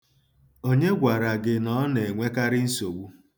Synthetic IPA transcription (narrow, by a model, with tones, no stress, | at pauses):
o˦ɲe˦ɡʷa˨ɾa˨ɡɪ˨nɔ˦ne˨ŋʷe˦ka˦ɾɪ˦n̩˦so˨ɡ͡bu˦